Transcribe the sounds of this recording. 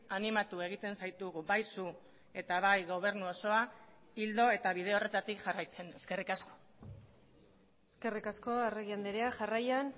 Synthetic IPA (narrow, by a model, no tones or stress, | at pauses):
animat̪ue̞ɣ̞it̪e̞nsajt̪uɣuβajsu | e̞t̪aβajɣo̞β̞e̞ɾnuo̞so̞a | ild̪o̞e̞t̪aβ̞iðe̞o̞re̞t̪at̪ikʝarajt͡se̞ne̞ske̞rikasko̞ | eske̞rikasko̞areɣiand̪e̞ɾeaʝarajan